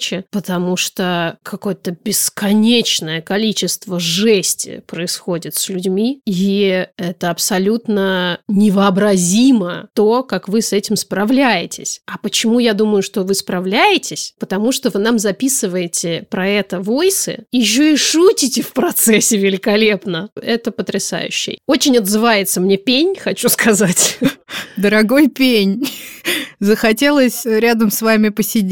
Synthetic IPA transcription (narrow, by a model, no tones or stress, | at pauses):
t͡ɕɪpət̪ɐmuʂt̪okʰɐko̞jət̪əbʲɪskɐnʲet͡ɕnəjəkɐlʲit͡ɕɪst̪vəʐɛsʲtʲɪ̰pɾəɪsxo̞dʲɪt̪sʲlʲʉdʲmʲiiɛt̪əɐpsɐlʲut̪nənʲɪvəɐbɾɐzʲimət̪okakvɨsɛtʲɪmspɾɐvlʲæjɪtʲɪ̰sʲɐpət͡ɕɪmujad̪uməjʊʂt̪o̞vɨspɾɐvlʲæjɪtʲɪsʲpət̪ɐmuʂt̪o̞vɨnamzɐpʲisɨvəjɪtʲɪpɾɐɛt̪əvo̞jsɨ̰ɪɕ̬ːoiʂutʲɪtʲɪfpɾɐt̪sɛsʲːɪvʲɪlʲɪkɐlʲe̞pnəɛt̪əpət̪ɾʲɪsa̰jʉ̰ɕːɪ̰jot͡ɕɪnʲɐd̪zɨvajɪt̪səmnʲe̞pʲenʲxɐt͡ɕuskʰɐzatʲ | d̪əɾɐɡo̞jpʲenʲ | zəxɐtʲe̞lˠəsʲɾʲad̪əmsvamʲɪpəsʲɪdʲ